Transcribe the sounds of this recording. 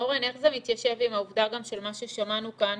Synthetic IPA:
oʁene̞χzemit̪jaʃe̞vimauvdaɡamʃe̞lmaʃeʃamanukan

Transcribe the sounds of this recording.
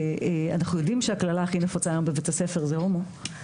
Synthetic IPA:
ea̰naχujo̞dimʃeaklalaaχine̞fot͡sajombevetase̞fe̞ʁzehomo

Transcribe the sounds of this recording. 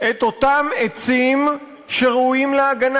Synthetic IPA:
et̪o̞t̪amet͡sim | ʃe̞ʁeuimleaɡan

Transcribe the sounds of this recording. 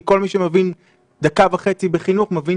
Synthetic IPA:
ko̞lmiʃemevin | d̪akavaχe̞t͡sibeχinuχmevin

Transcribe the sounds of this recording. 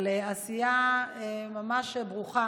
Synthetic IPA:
leasijaemamaʃbʁuχa

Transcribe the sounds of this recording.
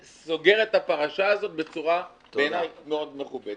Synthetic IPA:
so̞ɡe̞ʁet̪hapaʁaʃaːzo̞t̪̚be̞t͡suʁa | enajmeo̞d̪meχubet̪

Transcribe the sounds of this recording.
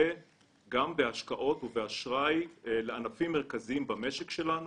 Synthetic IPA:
e | ɡambe̞aʃkaʔo̞t̪uveaʃʁajleanafimːeʁkaziimbame̞ʃekʃelanu

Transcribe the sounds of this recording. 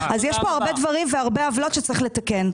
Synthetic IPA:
azjɛʃpo̞aʁbe̞d̪vaʁimveaʁbeavlo̞t̪ʃet͡saʁiχlet̪ake̞n

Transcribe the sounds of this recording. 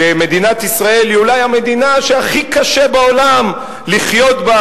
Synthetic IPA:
eme̞d̪inat̪isʁae̞liulajame̞d̪inaʃeaχikaʃebao̞lam | liχjo̞t̪ba

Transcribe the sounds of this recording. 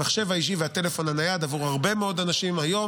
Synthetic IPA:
aχʃe̞vaiʃ̬iveat̪e̞le̞fo̞nanajad̪avuʁhaʁbe̞meo̞d̪anaʃimajo̞

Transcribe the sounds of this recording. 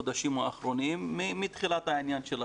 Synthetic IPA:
od̪aʃimoaχɾonimːiːit̪χilat̪haʕinjanʃel

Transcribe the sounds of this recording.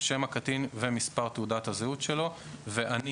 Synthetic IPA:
ʃemakat̪invemispaʁt̪eudat̪hazeut̪ʃe̞lo̞ | veʔan

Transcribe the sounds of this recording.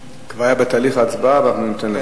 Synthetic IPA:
kvaajabet̪aːliχaːt͡sbavaχmenumt̪enle

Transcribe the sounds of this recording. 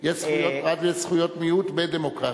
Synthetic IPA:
jɛsχujotʁadjɛʃsχujot̪mijut̪bed̪emokʁa

